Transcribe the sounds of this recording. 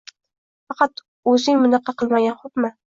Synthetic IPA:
fɑqʰɑt̪ | ɵzɪŋmʊnɑqʰːɑqʰɨlˠmaɡʲanχopmɪ

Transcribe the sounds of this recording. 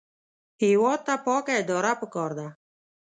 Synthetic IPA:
heːwɔːt̪̚t̪ːapɔːkad̪ɔːɾapəkɔːɾd̪a

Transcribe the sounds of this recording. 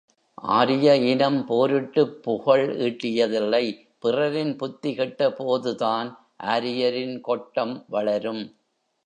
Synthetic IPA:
ʔa̰ːɾɪjɐɪnɐmpoːɾɯʈːɯpːʊɣɐɭiːʈːɪjɐðɪlːɐɪ | pɪrɐɾɪnpʊt̪ːɪɣɪʈːɐpoːðɯðaːn | ʔaːɾɪjɐɾɪnkɔʈːɐmʋɐɭɐɾɯm

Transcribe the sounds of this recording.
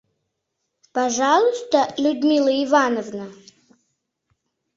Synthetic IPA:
pɐʐɑlˠʊst̪əlʲʊd̪mʲilˠəɪvanəvnə

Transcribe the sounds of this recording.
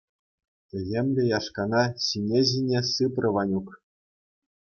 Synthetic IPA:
t̪ʲɘ̆ɣʲemʲlʲɘ̆jɑʂkɑnɑɕinʲeʑʲinʲesɯprʲɤ̆ʋɑnʲuk

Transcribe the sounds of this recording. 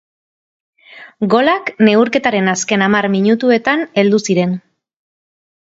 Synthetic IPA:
ɡo̞lakne̞uɾke̞t̪aɾe̞naske̞namarmiɲut̪ue̞t̪ane̞ld̪usiɾe̞n

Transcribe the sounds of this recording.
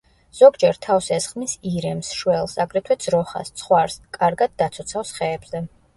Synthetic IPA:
z̥ɔɡd͡ʒɛɾt̪ʰafsɛsχmisiɾɛmsʃwɛlˠsaɡɾɛt̪ʰwɛd̪z̥ɾɔχa̰st̪sʰχwaɾskʼaɾɡad̪̚ːat̪sʰɔt̪sʰafsχɛːbz̥ɛ

